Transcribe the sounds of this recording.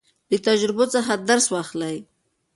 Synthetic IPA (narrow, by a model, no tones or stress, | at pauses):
d̪ət̪ad͡ʒɾɪbot͡səxad̪aɾswɑxlaj